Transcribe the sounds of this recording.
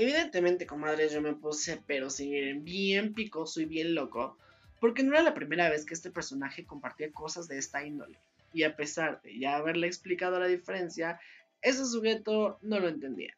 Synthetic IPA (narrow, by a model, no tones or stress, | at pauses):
e̞βiðe̞nt̪e̞mẽnt̪e̞konmaðɾe̞zʝo̞me̞pusepe̞ɾo̞siniɾembje̞mpiko̞soiβje̞nlo̞ko | po̞ɾk̬e̞no̞eɾalapɾime̞ɾaβe̞skeest̪e̞pe̞ɾso̞naxe̞ko̞mpaɾt̪iako̞sazðe̞e̞st̪aĩnd̪o̞̰le̞ | iape̞saɾðe̞̰ʝaːβe̞ɾleeːksplikað̞o̞laðife̞ɾe̞nsja | e̞s̬es̬uɣe̞t̪o̞no̞lo̞e̞nt̪e̞nd̪ḭa̰